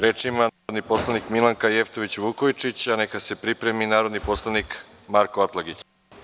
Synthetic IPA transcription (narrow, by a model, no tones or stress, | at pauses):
ɾe̞t͡ʂimad̪nipo̞slˠanikmilaŋkaje̞ft̪o̞ʋit͡ɕʋukojt͡ʂit͡ɕanekase̞pɾipɾe̞minaːɾo̞d̪nipo̞slˠanik | maɾkoat̪lˠaɡit͡ɕ